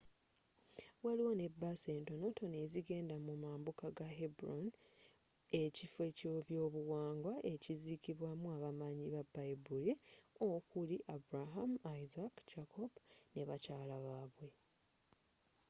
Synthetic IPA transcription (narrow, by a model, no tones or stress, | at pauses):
waliwo̞ne̞base̞ːnto̞no̞to̞ne̞ziɡe̞ːndamumaːmbukaɡaɦebuɾon | e̞cifwe̞coβjo̞ːβuwaːŋɡwaʔe̞cizikiβwamuaβamaɲiβabajbuliokuliʔabuɾaɦamajzakd͡ʒakʰobneβacaːlaβaːβwe̞